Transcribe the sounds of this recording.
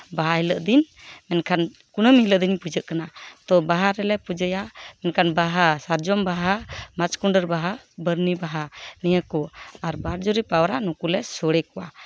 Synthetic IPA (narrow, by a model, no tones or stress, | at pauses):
baɦailəʔd̪in | mɛnkʰan | kunəmhiləʔd̪iɲpud͡ʒəʔkanat̪ɔbaɦaɾɛlɛpud͡ʒəjamɛnkʰanbaɦasaɾd͡ʒɔmbaɦamat͡ʃkuɳɖəɾbaɦabəɾnibaɦanijəkɔaɾbaɾd͡ʒɔɾipawɾanukulɛsɔɽɛkɔwa